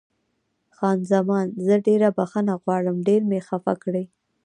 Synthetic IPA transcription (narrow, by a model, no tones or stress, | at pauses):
xɑnzamɑnzəɖeɾabaxanaɣwɑɽəmɖeɾmexafakɽəj